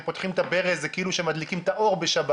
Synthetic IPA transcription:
po̞t̪χimt̪abeʁezekeiluʃemad̪likimt̪aʔo̞ʁbeʃaba

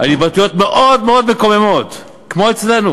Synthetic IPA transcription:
ʔanibat̪ujo̞t̪meʔod̪meod̪̚mekomemo̞d | kmo̞et͡sle̞nu

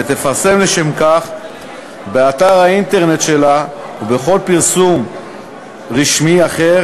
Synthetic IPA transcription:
et̪e̞faʁse̞mle̞ʃe̞mkaχ | beat̪aʁaint̪e̞ʁne̞t̪ʃe̞la | ube̞χo̞lpiʁsum | ʁiʃmiaχe̞ʁ

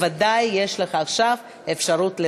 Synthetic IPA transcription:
vad̪ajːe̞ʃleχaːχʃav | efʃaʁutle

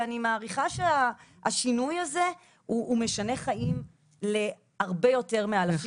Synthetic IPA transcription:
animaːʁiχaʃeaaʃinujaze̞ | uːme̞ʃane̞χaim | le̞ | aʁbejo̞te̞ʁmealaf

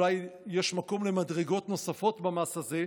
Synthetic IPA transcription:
lajjeʃmako̞mlemadʁeɡo̞tno̞safo̞tbamasaze

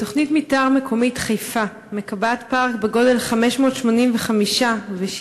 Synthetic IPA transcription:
to̞χnitmitaʁmekʰo̞mitχejfa | me̞kabatpaʁkbeɡo̞de̞lχameʃmo̞ːtʃmo̞nimveχamiʃave

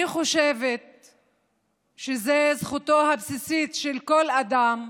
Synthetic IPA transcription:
iχo̞ʃevet̪̚ | ʃezezχut̪oɦabsisit̪ʃelkolad̪am

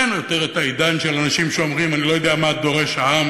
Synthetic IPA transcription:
njot̪eʁet̪aid̪anʃelanaʃimʃeomʁimanilo̞jod̪eamad̪o̞ʁe̞ʃhaam

